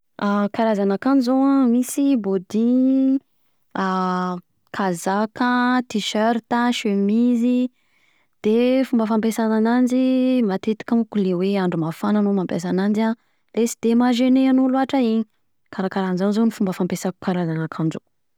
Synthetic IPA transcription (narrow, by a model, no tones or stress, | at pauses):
akaɾazanakanzoamisibod̪i | a | kʰazakət̪iʃøɾt̪əʃemizi | d̪̥efumbəfampesananand͡ʒimat̪et̪i̥kʲamukuleweaɳɖ͡ʐumafananumampas̬anand͡ʒa | lesi̥d̪̥emaʒeneanuluaʈ͡ʂaiɲi | kaɾakaɾanzanzonifumbəfampesaku̥kaɾazanakʰand͡ʒo̰